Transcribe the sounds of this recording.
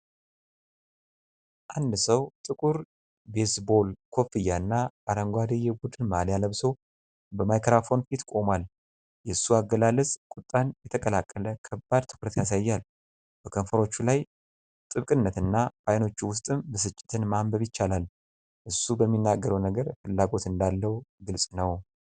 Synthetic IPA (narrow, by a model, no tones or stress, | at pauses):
ʔand̪səwt̪ʼɨkʼuɾ | besbo̞lkʰo̞fijaɨnːaaɾəŋɡʷad̪ejɛbud̪ɨnmaljaləβso | bəmajkʰɾafo̞nfit̪kʼo̞mal | jɛsːuaɡːəlalːəsʼkʼʊt̪ʼːanjɛt̪ʰəkʼəlakʼːələkʰəbːad̪t̪ʰɨ̥kɾət̪ʰejas̬ajːal | b̥əkʰənfəɾo̞t͡ʃːulaj | t̪ʼɨβkʼɨnːət̪ɨnːabajno̞t͡ʃːuwʊst̪ʼɨmbəsɨt͡ʃʼːɪ̥t̪ʰɨnmambəβjɪt͡ʃːalal | ʔɨsːubəmːinːaɡːəɾəwnəɡəɾfɨlːaɡo̞t̪ɨnd̪alːəwɡɨlsʼnəw